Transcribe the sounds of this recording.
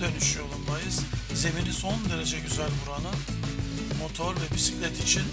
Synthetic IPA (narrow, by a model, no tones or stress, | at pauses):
d̪ø̞nyʃyjo̞lˠumd̪ajɯz̥ze̞miniso̞nd̪e̞ɾe̞d͡ʒɛɟyzælʲbuɾanɯ | mo̞t̪ʰo̞ɾvɛbisi̥clʲɛt̪it͡ʃʰin